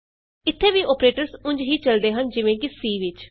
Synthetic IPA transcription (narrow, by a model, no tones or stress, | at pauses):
ɪt̪ʰːeːʋiːʔoːpɾeːʈəɾsʊ̃ɲd͡ʒɦiːt͡ʃəld̪eːɦənd͡ʒɪʋẽːkɪsiːʋɪt͡ʃ